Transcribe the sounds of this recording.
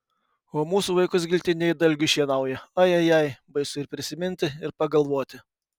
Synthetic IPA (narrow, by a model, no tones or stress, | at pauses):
oːmuːsuːʋɐɪkʊsɡʲɪlʲt̪ʲɪnʲɛɪd̪ɐlʲɡʲʊʃʲiɛnɐʊjɛɐjɐjɛɪbɐɪsʊɪɾpʲɾʲɪsʲɪmʲɪnʲt̪ʲɪɪɾpɐɡɐlˠʋoːt̪ʲɪ